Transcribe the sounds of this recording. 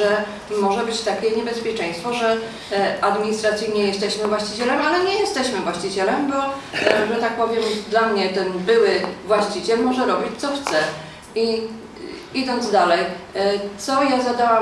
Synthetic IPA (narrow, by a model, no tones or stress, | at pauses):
ɛ | mɔʐɛbɘt͡ɕt̪akʲɛɲɛbɛspʲjɛt͡ʂɛ̃j̃st̪fɔʐɛ | ad̪mʲiɲist̪ɾat̪sɘjɲɛjɛst̪ɛɕmɘvwaɕt͡ɕit͡ɕɛlɛmalɛɲɛjɛst̪ɛɕmɘvwaɕt͡ɕit͡ɕɛlɛmbɔʐɛt̪ak̚pɔvʲjɛmd̪lamɲɛt̪ɛnbɘwɘvwaɕt͡ɕit͡ɕɛlmɔʐɛɾɔbʲit͡ɕt̪sɔxt̪sɛ | i | id̪ɔnd̪zd̪alɛjt̪sɔjazad̪awa